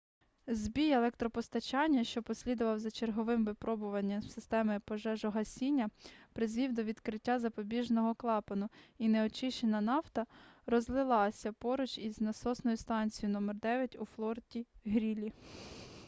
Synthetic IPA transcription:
zbʲijelˠɛkt̪ɾɔpɔst̪ɐt͡ʃɑnʲːɐʃt͡ʃɔpɔsʲlʲid̪ʊʋɐwzɐt͡ʃerɦɔʋɪmʋɪpɾɔbʊʋɐnʲːɐmsɪst̪ɛmɪpɔʒɛʒɔɦɐsʲinʲːɐpɾɪzʋʲiwd̪ɔʋʲid̪kɾɪtʲːazɐpɔbʲiʒnɔɦɔklˠɑpɐnʊinɛɔt͡ʃɪʃt͡ʃenɐnɑwt̪ɐɾɔzlˠɪlˠɑsʲɐpɔɾʊt͡ʃiznɐsɔsnɔjʊst̪ɑnʲt͡sʲijʊnɔmɛrd̪ɛʋʲjɐtʲuflˠɔrtʲiɦɾʲilʲi

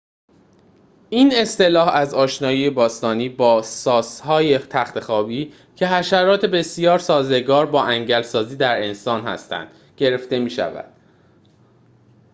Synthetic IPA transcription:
iːne̞st̪e̞lɒːhæzɒːʃnɒːjijebɒːst̪ɒːniːbɒːsɒːshɒːjet̪ʰæxt̪ʰe̞xɒːbiː | cʰe̞hæʃæɾɒːt̪ʰe̞be̞sijɒːɾsɒːze̞ɡɒːɾbɒːʔæŋɟælsɒːziːd̪æɾe̞nsɒːnɦæ̰st̪æ̰nd̪̥ | ɟe̞ɾe̞ft̪e̞miːʃæ̰væ̰d̪̥

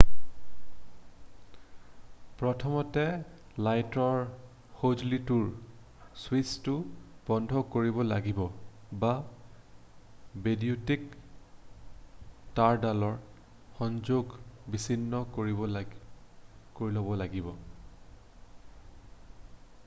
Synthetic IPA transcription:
pɹɔtʰɔmɔtɛ | lajtɔɹ | xod͡ʒlituɹ | swistʊb̥ɔndʱɔkoɹibɔla̰ɡibɔba | bediutik | taɹdalɔɹ | xɔnzoɡbisinːɔkoɹiɔ | koɹilobɔlaɡibɔ

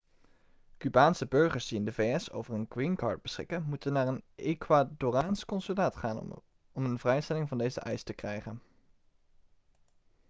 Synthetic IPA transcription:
kybaːnsəbɵɹχəɹsdiɪndəvejɛso̰wvəɹənɡwinkɑ̰ːɹd̚b̥əsχɪ̰kənmutənːaːɹənekwadoːraːnskɔnsylaːtχaːn | ɔmənvrɛjstɛlɪŋvɑndejzə̰ʔɛjstəkrɛjχən

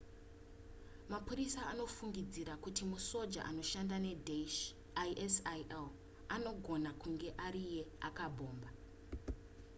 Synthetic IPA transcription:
mapuɾisaːno̞fuŋɡid͡ziɾakutimuso̞d͡ʒa̰ʔa̰no̞ʃandane̞d | ʔesl | ano̞ɡʱo̞nakuŋɡe̞ʔaɾije̞akabʱo̞ːmba

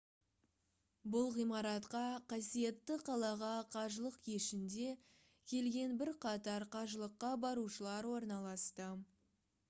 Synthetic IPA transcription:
bʊlˠʁijmɑɾɑt̪qɑqʰɑsije̞t̪ːɪqʰɑlˠɑʁɑqʰɑʒəlˠəqkʰeʃɪnd̪e̞ | kʲʰe̞lɡʲe̞nbɪɾqʰɑt̪ɑɾqʰɑʒəlˠəqːɑbɑɾuʃəlˠɑɾwo̞ɾnɑlˠɑst̪ə

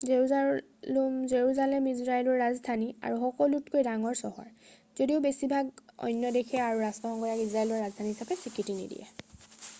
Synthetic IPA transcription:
zeɹuza | lumzeɹuzalɛmizɹajlɔɹːazdʱania̰ɹuxɔkɔlutkojdaŋɔɹsɔɦɔ̰ɹ | zodiʊbesibʱaɡɔ̰jnjɔdekʰɛaɹuɹastɔxɔŋkɔɹjakizɹajlɔɹɹazdʱaniɦisapɛsikitinḭdḭjɛ̰

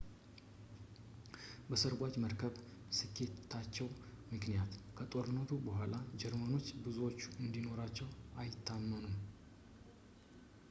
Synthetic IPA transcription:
bəsəɾɡʷat͡ʃməɾkʰəβ | sɨkʰːe̞t̪ʰat͡ʃːɛwmɨknijat̪kʰət̪ʼo̞ɾɨnːət̪ʰubəhʷalad͡ʒɛɾməno̞t͡ʃːbɨzuwo̞t͡ʃːuɨnd̪ino̞ɾat͡ʃːɛwajɪt̪ʰːamːənum

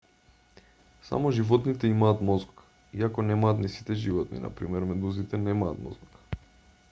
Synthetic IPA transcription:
sa̰mɔʒivɔt̪nit̪ɛimaːt̪mɔzk | iakɔnɛmaːt̪nisi̥t̪ɛʒivɔt̪nḭna̰pɾimɛɾmɛd̪uzit̪ɛnɛmaːt̪mɔ̰zk

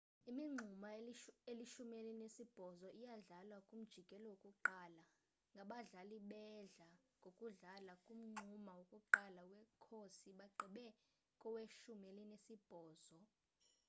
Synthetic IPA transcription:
imiŋ͡ǀʱumaeliʃumielinesib̥ʱɔzɔʔijaɮalwakʼum̩d̥ʒ̥ʱikʼɛlɔwokʼuǃaːla | ŋɡʱaɓaɮaliɓɛɮaŋɡʱokʼuɮalakʼum̩ŋ͡ǀʱumawokʼuǃalawɛkʰosiɓaǃʱiɓɛ | kʼɔweʃumelinesib̥ʱɔːz̥ɔ

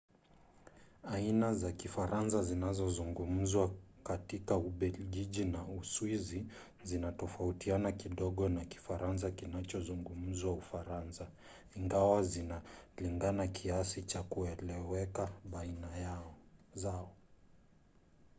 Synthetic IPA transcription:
ainazakifaɾʔansazinazɔzuŋɡum̩zwakatikauɓɛlʄiʄinauswizi | zinatɔfautianakiɗɔɠɔnaki̥faɾans̬akinat͡ʃɔzuŋɡum̩zwaufaɾansa | iŋɡawazinaliŋɡanakʰiasit͡ʃakuɛlɛwɛkaɓainajazaɔ

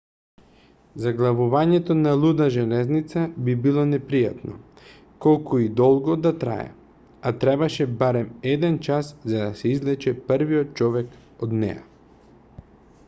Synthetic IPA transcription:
zaɡlˠavuvaɲɛt̪onalˠud̪aʒɛlɛznit̪sabibilˠɔnɛpɾija̰t̪nɔ̰ | kɔlˠkuid̪ɔlˠɡɔd̪at̪ɾa̰ɛ̰ | at̪ɾɛbaʃɛbaɾɛmɛd̪ɛnt͡ʃaszad̪asɛizlɛt͡ʃɛpəɾviɔt̪̚t͡ʃɔvɛk | od̪nɛ̰ja̰

